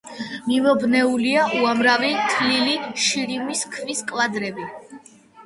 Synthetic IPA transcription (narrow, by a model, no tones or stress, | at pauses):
mivɔbnɛuliaʔuamɾavit̪ʰliliʃiɾimiskʰviskʼwad̪ɾɛbi